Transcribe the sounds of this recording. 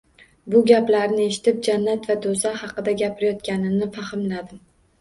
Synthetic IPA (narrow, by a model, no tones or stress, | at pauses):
bʊɡʲaplaɾnɪe̞ʃɪ̥t̪ɪp̚d͡ʒanːat̪vad̪ozahɑqɨd̪aɡʲapʰɪɾajɒt̪̚kʲanɪnɪfahɪmlad̪ɪm